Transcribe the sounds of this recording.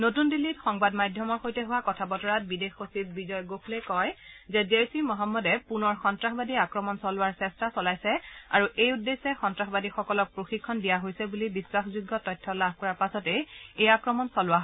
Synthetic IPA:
notundilːitxɔŋbadmajdʱjɔmɔɹxojtɛɦʊwakɔtʰabɔtɔɹat̚bidexosibbizɔjɡokʰlɛkɔjzɛziajsimɔɦɔmːɔdɛpunɔɹxɔntɹaxbadiakɹɔmɔnsɔlʊwaɹsɛstasɔlajsɛaɹuʔejudːesɛxɔntɹaxbadixɔkɔlɔk̚pɹoxikʰːɔndijaɦojsɛbulibiswaxzuɡːɔtɔjtʰːɔlab̚ʱkɔɹaɹpasɔtɛejakɹɔmɔnsɔlʊwaɦ

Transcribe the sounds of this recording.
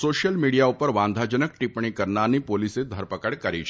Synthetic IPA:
soɕjəlmiɽijaupəɾʋãnd̪ʱad͡ʑənək̚ʈipɳ̃ikəɾɳaniːpolised̪ʱəɾpəkəɽkəɾiːt͡ʃʰ

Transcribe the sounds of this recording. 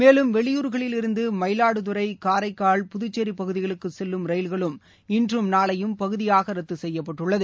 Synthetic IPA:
meːlɯmʋɛɭɪjuːɾɣɐɭɪlɪɾɯnd̪ɯmɐɪlaːɽɯðʊɾɐɪkaːɾɐɪkːaːɭpʊðʊt͡ʃːeɾipɐɣɯðɪɣɐɭɯkːɯsɛlːɯmɾɐɪlɣɐɭɯm | ɪndrɯmnaːɭɐjɯmpɐɣɯðɪjaːɣɐɾɐt̪ːɯsɛjːɐpːɐʈːɯɭːɐðɯ

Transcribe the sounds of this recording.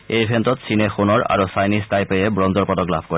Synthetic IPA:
ejbʱɛntɔt̪sʰinexunɔɹa̰ɹosajnistajpejebɹɔnzɔɹpɔtɔkla̰bʱkɔ

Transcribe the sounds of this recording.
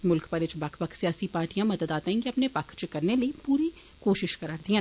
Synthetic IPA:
mʊlkpəɾɪt͡ʃbɐkʰpəkʰsijaːsipaːɾʈijãmɐd̪əd̪aːt̪aĩkiɐpnepɐkʰt͡ʃkɐɾneləipuːɾi | koːʃɪʃkəɾaːɾd̪iãː

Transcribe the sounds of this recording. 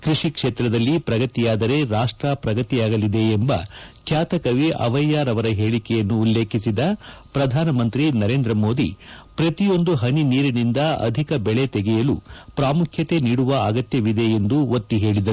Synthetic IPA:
kɾiʂikʂeːt̪ɾɐd̪ɐlːipɾɐɡɐt̪ijaːd̪ɐɾe̞ɾaːʂʈɾapɾɐɡɐt̪iaːɡɐlid̪e̞ːmbɐ̰kʰjaːt̪ɐkɐʋiʔɐ̰ʋɐjːaːɾɐʋɐɾɐɦeːɭikɛjɐnːuːlːe̞ːkʰisid̪ɐpɾɐd̪ʱaːnɐmɐnt̪ɾinɐɾe̞ːnd̪ɾɐmo̞ːd̪ipɾɐt̪ijo̞nd̪uɦɐniniːɾɐnind̪ɐɐ̰d̪ʱikɐbɛɭet̪ɛɡɛjɐlupɾaːmukʰjɐt̪e̞niːɽuʋɐɐɡɐt̪jɐʋid̪e̞end̪uʋot̪ːiɦe̞ːɭid̪ɐɾu

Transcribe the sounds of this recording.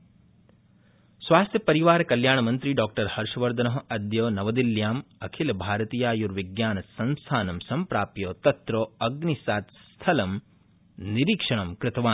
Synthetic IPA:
sʋaːst̪ʰjɐpɐɾiʋaːɾɐkɐljaːɳɐmɐnt̪ɾiɖaːk̚ʈɐɾhɐɾʂɐʋɐɾd̪ʱɐnɐɦɐɐd̪joːnɐʋɐd̪iljaːmɐkʰilɐbʱaːɾɐt̪iːjaːjuɾʋiɡjaːnɐsɐnst̪ʰaːnɐmsɐmpɾaːpjoːt̪ɐt̪ɾoːɐɡnisaːt̪st̪ʰɐlɐm | niɾiːkʂɐɳɐmkɾɪt̪ɐʋaːn

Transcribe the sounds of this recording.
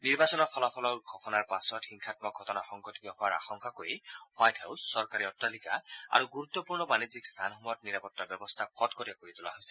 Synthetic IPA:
niɹbasɔnɔpʰɔlɔpʰɔlɔɡʱɔpʰɔnaɹpasɔthiŋkʰat̚mɔɡʱɔtɔnaxɔŋɡɔt̪ikɔxɔwaɹa̰xɔŋkakoiwajtʰhawsːɔɹkaɹiɔtɹalikaa̰ɹuɡuɾut̪ːɔpuɹnɔmanizikst̪ʰanɦɔmɔjɔtniɾapɔtːɔbjɔbɔst̪ʰakɔtkɔɾiakoɹit̪ula̰ɦojsi

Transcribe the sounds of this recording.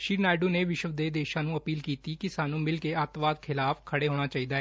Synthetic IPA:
ʃiːɾnaːɖuːneːʋɪʃəʋd̪eːd̪eːʃãːnũːəpiːlkiːt̪iːkɪsaːnũːmɪlkeːət̪ʋaːd̪kʰɪlaːfkʰəɽeːɦoːɽ̃aːt͡ʃaːiːd̪aːɦɛː

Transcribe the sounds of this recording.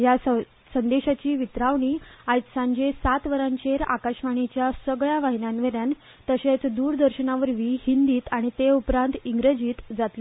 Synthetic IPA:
jas | sənd̪eɕat͡ɕiːʋit̪ɾaʋɳiːajt͡ssãɲd͡ʑesat̪ʋəɾaɲt͡ɕeɾa̰kaɕʋaɳ̃it͡ɕjasəɡɭjaʋaɦinjanʋeɾjan | t̪əɕet͡sd̪uːɾd̪əɾɕənaʋəɾʋihind̪iːt̪aɽ̃it̪eupɾãnt̪iŋɡɾəd͡ʑiːt̪d͡zat̪li

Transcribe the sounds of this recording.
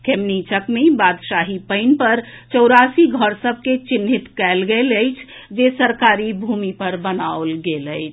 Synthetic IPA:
kʰemnit͡ʃəkmebad̪ʃaɦipəɪnpəɾt͡ʃəwɾasiɡʱəɾsəb̚ʱket͡ʃinɦit̪kɛɪlɡeləjt͡ʃʰ | d͡ʒesəɾkaɾibʱumipəɾbənaolɡeləjt͡ʃʰ

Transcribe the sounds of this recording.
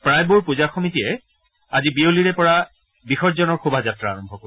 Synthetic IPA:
pɹajbuɹpuzaxɔmitiɛ | azibioliɹɛpɔɹa | bixɔzɔnɔɹxubʱazatɹaːɹɔmbʱɔkɔ

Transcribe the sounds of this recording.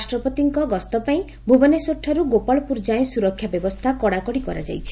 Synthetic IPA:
asʈɾɔpɔt̪iŋkɔɡɔst̪ɔpaĩ | bʱubɔnesoʈʰːaɾuɡopaɭɔpuɾd͡ʒaẽsuɾɔkʰːjabjɔbɔst̪ʰakɔɽakɔɽikɔɾa̰d͡ʒa̰jt͡ʃʰi̥

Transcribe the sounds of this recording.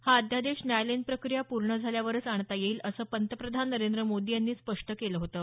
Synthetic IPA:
haəd̪ʱjad̪eɕnælenpɾəkɾijapuɾɳəd͡zʱaljaʋəɾt͡saɳt̪ajeiːləsəːpənt̪əpɾəd̪ʱanːəɾend̪ɾəmod̪ijanːiːspəʂʈəkeləɦot̪əː

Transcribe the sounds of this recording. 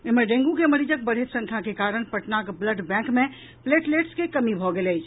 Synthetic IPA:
emeɖẽŋɡukeməɾid͡ʒək̚bəɽ̤ʱɦet̪sə̃ŋkʰakekaɾəɳ̃pəʈnakbləɖbɛ̃kmẽ | pleʈleʈskekəmibʱɔɡeləjt͡ʃʰ

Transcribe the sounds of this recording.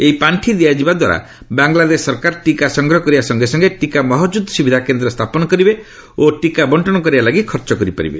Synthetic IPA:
eipaɳʈʰid̪iad͡ʒibad̪waɾa̰ | baŋɡlad̪esːɔɾkaɾʈikasɔŋɡɾɔɦɔkɔɾibasɔŋɡesɔŋɡeʈikamɔɦɔd͡ʒud̪ʱsubʱid̪ʱakend̪ɾɔst̪ʰapɔnɔkɔɾibe | oʈikabɔɳʈʰɔɽ̃ɔkɔɾibalaɡikʰɔɾt͡ʃɔkɔɾipa̰ɾḭbḛ

